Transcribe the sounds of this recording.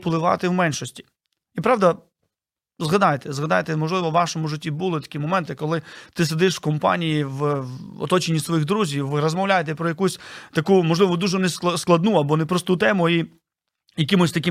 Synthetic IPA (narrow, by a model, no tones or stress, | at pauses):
plˠɪʋɑ̰t̪ɪwmɛnʲʃɔsʲtʲi̥ | ipɾɑwd̪ɐ | zɦɐd̪ɑjt̪ɛzɦɐd̪ɑjt̪ɛmɔʒlˠɪʋɔʋɑʃɔmʊʒɪtʲːibulˠɪt̪ɐ̥kʲimɔmɛnt̪ɪkːɔlˠɪt̪ɪsed̪ɪʃskɔmpɑ̰nʲijiwɔ̰t̪ɔt͡ʃenʲːisʋɔjiɣd̪ɾuzʲiwʋɪɾɔzmɔwlʲajet̪ɛpɾɔjɐkusʲt̪ɐkumɔʒlɪʋɔd̪uʒɛneskˠsklˠɐd̪nuɐbɔnɛpɾɔst̪ut̪ɛmʊi | jɐkʲimʊsʲt̪ɐk̬ʲɪ